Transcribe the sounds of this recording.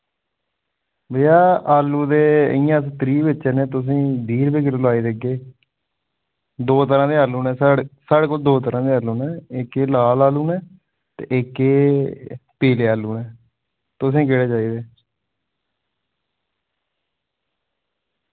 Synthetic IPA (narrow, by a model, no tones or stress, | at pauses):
bəjaːaːlːuːd̪eːə̰ijãːsət̪ɾiːbɪt͡ʃːẽːneːt̪ʊs̬ĩːd̪iːɾbiːkɪllaːiːd̪eɡeː | d̪oːt̪əɾãːd̪eːaːlːũːnɛːssaːɽeːkoːld̪oːt̪əɾãːd̪eːaːluːnɛːɪkːeːlaːlaːluːnɛː | t̪ḛʔɪkːeː | peːleːaːlːuːnɛː | t̪ʊs̬ĩːk̬ɪɽeːd͡ʒaːiːd̪eː